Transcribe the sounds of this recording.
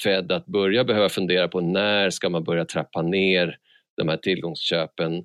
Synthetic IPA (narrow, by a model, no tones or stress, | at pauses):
fɛd̪ːat̪̚bɵɾjabɛhøːvafɵnd̪eːɾapʰɔnæːɾʂkamanbœɾjat̪ʰɾɛpːaneːɾ | d̪̥ɔmhæːʈʰɪlɡɔŋsɕøːpən